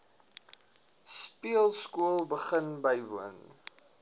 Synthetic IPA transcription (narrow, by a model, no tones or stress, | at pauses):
spiəlˠskuəlˠbəχənbəjvṵən